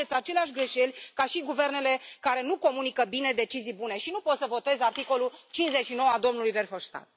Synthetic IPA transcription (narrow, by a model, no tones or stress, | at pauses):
et̪sʲat͡ʃe̞leaʃʲɡɾe̞ʃe̞lʲkaʃiɡuve̞rne̞lekaɾe̞nuko̞munikəbine̞d̪e̞t͡ʃizijbune̞ʃinupo̞t̪səvo̞t̪e̞zart̪iko̞lult͡ʃinszet͡ʃʃino̞wəad̪o̞mnulujverfoʃt̪a̰t̪̚